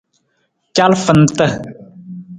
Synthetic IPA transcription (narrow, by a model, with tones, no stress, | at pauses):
t͡ʃa˦lfə˨nt̪ə˦